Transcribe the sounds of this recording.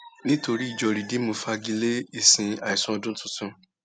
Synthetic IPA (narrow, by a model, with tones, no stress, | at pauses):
nĩ˦to˧ɾi˦i˨d͡ʒɔ˧ɾi˨di˨˦mõ˧fa˧ɡi˧le˦i˦˨sĩ˧a˨i˨sũ˦ɔ˧dũ˦tʊ̃˧tũ˦